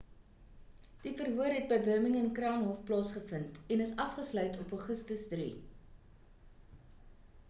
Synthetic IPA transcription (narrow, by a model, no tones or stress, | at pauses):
d̥ifərɦuərɦɛt̚bəjbəməŋənkrɑːŋɦɔfplɑːsχəfəntɛnəsɐfχəslœɥtʰɔpəχəstəsdrḭ